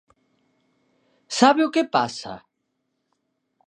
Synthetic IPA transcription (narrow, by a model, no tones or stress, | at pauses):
saβjokepa̰sa̰